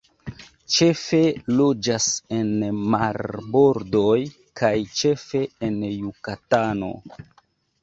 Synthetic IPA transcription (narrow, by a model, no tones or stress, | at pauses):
t͡ʃe̞fe̞lo̞d͡ʒasenmaɾbo̞ɾdoj | kʰajt͡ʃe̞fe̞enjukatano̞̰